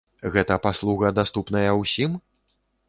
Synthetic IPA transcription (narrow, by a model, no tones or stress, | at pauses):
ɣɛt̪ɐpaslˠuɣɐd̪ast̪upn̪ɐjɐwsʲim